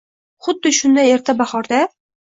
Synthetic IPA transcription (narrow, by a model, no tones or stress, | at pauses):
χʊd̪ːɪʃʊnd̪aneɾt̪ʰabaχɒɾd̪a